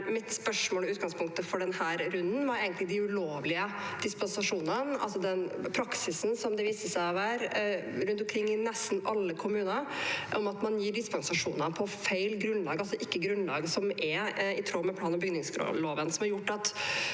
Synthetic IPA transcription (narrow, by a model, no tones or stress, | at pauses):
mɪt̪spœʂmoːlʉːt̪̚ɡɑŋspʰʊŋk̚t̪əfɔɖɛnhæːɾɾʉnːn̩ʋɑɾɛɪɡənt̪lɪd̪ɪʉɭoːʋlɪə | d̪̥ɪspɛnsɑʂuːnənɑ̰lsɔd̪ɛnpʰɾɑksɪsn̩sɔmd̪ɛʋiːsəsæɪɑʋæːɾɾʉnt̪̬ɔmkʰɾɪŋːɪnɛst̪n̩ʔɑlːəkʰʊmʉːnəɾʔɔmɑt̪mɑnjiːɖɪspɛnsɑʂuːnəpʰɔfæɪlɡɾʉnlɑːɡɑlsɔʔɪkːəɡɾʉnlɑ̰ːɡsɔmʔɛɪt̪ʰɾoːmɛpʰlɑːnɔbʏɡnɪŋsɡɾo̰loːʋənsɔmhɑɾjʊʈːɑt̪